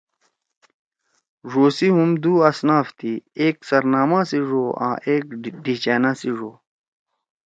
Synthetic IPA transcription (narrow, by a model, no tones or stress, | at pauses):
ʐoːsiɦumd̪uːɐsnaːft̪ʰiːeːksɐɾnaːmãːsiʐoːã̰ːʔeːk̚ɖiːt͡ɕaːnãːsiʐoː